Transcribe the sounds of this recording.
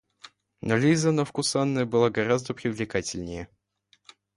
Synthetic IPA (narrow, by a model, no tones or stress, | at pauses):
nolʲizənəfkʊsanːəjəbɨlˠaɡɐɾazd̪əpɾʲɪvlʲɪkatʲɪlʲnʲɪjə